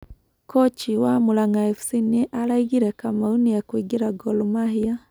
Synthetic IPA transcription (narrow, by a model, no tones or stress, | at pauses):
kɔt͡ʃiwamulaŋaɛfu̥siniʔalaiɡiɾɛkamaunijakuiɡiɾaɡɔlɔmahia